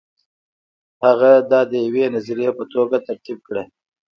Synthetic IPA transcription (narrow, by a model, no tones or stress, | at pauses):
haɣad̪ɑd̪əjawenaziɾijepət̪oɡat̪aɾt̪ib̚kɽe